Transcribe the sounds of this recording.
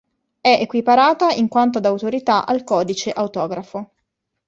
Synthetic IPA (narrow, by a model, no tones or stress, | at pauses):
ɛʔekwipaɾaːt̪aiŋkwant̪̬od̪awt̪oɾit̪aʔalkɔːd̪it͡ʃeʔawt̪ɔːɡɾafo